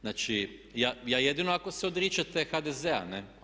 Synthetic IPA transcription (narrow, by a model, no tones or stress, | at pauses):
naːt͡ʃijaːjaːje̞d̪inoako̞seod̪ɾit͡ʃat̪exad̪ezea̰ne